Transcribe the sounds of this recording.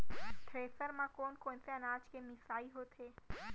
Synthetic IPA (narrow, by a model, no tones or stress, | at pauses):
t̪ʰɾeːsəɾmãkoːnkõːnseɐnaːd͡ʒkemɪsaːiɦoːt̪ʰeː